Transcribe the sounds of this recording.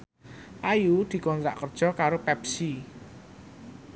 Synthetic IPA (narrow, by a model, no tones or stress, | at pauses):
ʔajud̪̥i̤kɔnɾa̰ʔkərd̥ʒ̥ɔ̤kaɾopɛpsi